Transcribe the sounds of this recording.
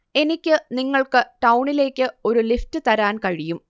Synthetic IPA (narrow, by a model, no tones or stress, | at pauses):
e̞nikʲːɨniŋːɐɭkɨʈɐwɳile̞ːkʲːɨo̞ɾuliftɨt̪ɐɾaːnkɐɻijum